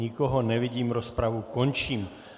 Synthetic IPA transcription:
ikɔɦɔnɛʋiɟiːmɾɔspɾaʋukɔnt͡ʃiːm

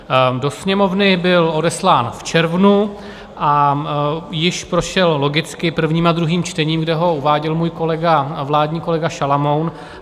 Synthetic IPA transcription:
do̞sɲɛmo̞vnɪbɪlo̞dɛslaːnft͡ʃɛɾvnu | ʔa | jɪʃpɾo̞ʃɛllo̞ɡɪt͡skɪpr̩vɲiːmad̪ɾuɦiːmt͡ʃt̪ɛɲiːmɡdɛɦo̞uvaːɟɛlmuːjko̞lɛɡavlaːdɲiːko̞lɛɡaʃalamo̞wn

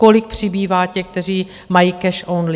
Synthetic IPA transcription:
kolɪk̚pr̝̥ɪbiːvaːcɛk̚t̪ɛr̝iː | majikɛʃʔownlɪ

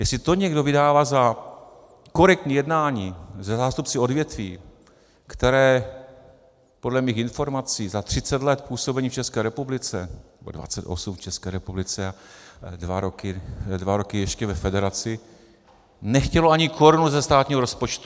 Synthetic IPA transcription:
jɛslɪt̪o̞ɲɛɡdo̞vɪdaːvaːza | ko̞ɾɛk̚t̪ɲiːjɛdnaːɲiːzɛzaːst̪upt͡sɪo̞dvjɛt̪viː | kt̪ɛɾɛː | po̞dlɛmiːxɪnfo̞ɾmat͡siːzat̪r̝̥ɪt͡sɛt̪lɛt̪puːso̞bɛɲiːft͡ʃɛskɛːɾɛpublɪt͡sɛnnɛbo̞̰dva̰t͡sɛt̪ʔosumft͡ʃɛskɛːɾɛpublɪt͡sɛadvaɾokɪdvaɾokɪjɛʃcɛvɛfɛdɛɾat͡sɪ | nɛxcɛloaɲɪkʰo̞ɾunuzɛst̪aːt̪ɲiːɦoɾospo̞t͡ʃt̪u̥

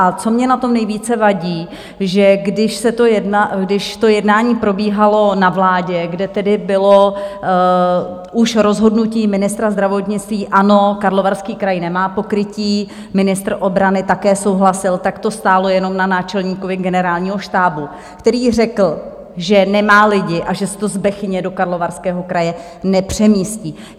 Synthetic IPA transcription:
ʔat͡so̞mɲɛnat̪o̞mnɛjviːt͡sɛvaɟiː | ʒɛɡdɪʃsɛt̪ojɛdnaɡdɪʃt̪o̞jɛdnaːɲiːpɾo̞biːɦalo̞navlaːɟɛɡdɛt̪ɛdɪbɪlo̞ | ʔuʃɾo̞zɦo̞dnuciːmɪnɪst̪ɾazd̪ɾavo̞t̪ɲɪt͡st̪viːʔano̞kaɾlo̞vaɾskiːkɾajnɛmaːpo̞kɾɪciː | mɪnɪst̪r̩ʔo̞bɾanɪt̪akɛːso̞wɦlasɪlt̪akt̪o̞st̪aːlo̞jɛno̞mnanaːt͡ʃɛlɲiːkovɪɡɛnɛɾaːlɲiːɦo̞ʃt̪aːbu | kt̪ɛɾiːr̝ɛkl̩ | ʒɛnɛmaːlɪɟɪʔaʒɛsɛ̥t̪o̞zbɛxɲɛdo̞kaɾlo̞vaɾskɛːɦo̞kɾajɛ | nɛpr̝̥ɛmiːsciː

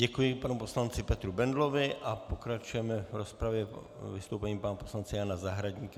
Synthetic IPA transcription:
ɟɛkujɪpanuposlant͡sɪpɛt̪ɾubɛnd̪lovɪʔapokɾat͡ʃujɛmɛvɾospɾavjɛ | vɪst̪owpɛɲiːpanaposlant͡sɛjaːnazaɦɾaɟɲiːka

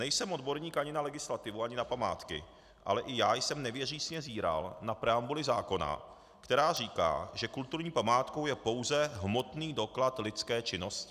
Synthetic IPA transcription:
nɛjsɛmʔo̞dbo̞ɾɲiːkʔaɲɪnalɛɡɪslat̪ɪvuaɲɪnapama̰ːt̪kɪ̰ | ʔa̰lɛʔɪjaːjsɛmnɛvjɛriːsɲɛziːɾa̰lnapɾɛambulɪzaːko̞na̰ | kt̪ɛɾaːriːka̰ːʒɛkult̪uɾɲiːpamaːt̪ko̞wjɛpo̞wzɛɦmo̞t̪niːdo̞klat̪lɪt͡skɛːt͡ʃɪno̞scɪ

